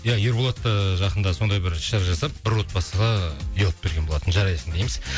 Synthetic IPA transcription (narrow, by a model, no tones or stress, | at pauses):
jɑjeɾbolˠot̪ːəʒɑqənd̪ɑso̞nd̪ɑjbɪɾʃɑɾʒɑsɑp̚bɪɾwo̞t̪̚pɑsəʁɑʏjɑlˠəp̚b̥e̞ɾɡʲebo̞lˠɑt̪ənʒɑɾɑjsənd̪ejmɪz